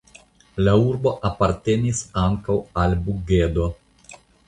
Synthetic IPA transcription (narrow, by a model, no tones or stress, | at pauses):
lauɾbo̞ʔapaɾt̪enisaŋkawalbuɡed̪o